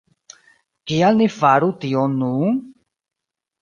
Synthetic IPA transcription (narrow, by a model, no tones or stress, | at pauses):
kialnifaɾut̪ionu